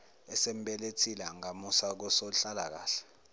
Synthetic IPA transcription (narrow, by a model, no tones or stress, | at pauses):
ɛsem̩ɓɛletʰilaŋamusak̬ɔsoɬalak̬a̰ːɬɛ̥